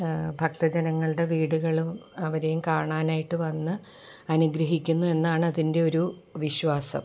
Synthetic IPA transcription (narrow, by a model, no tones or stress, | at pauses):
bʱɐk̚t̪ɐd͡ʑɐnɐŋːɐɭɨɽe̞ʋiːɽuɣɐɭuɐʋɐɾe̞jumkaːɳaːnaːjiʈːɨʋɐnːɨ | ɐnuɡɾɐɦikʲːunːue̞nːaːɳɨɐðinde̞o̞ɾu | ʋiɕʋaːsɐ̰m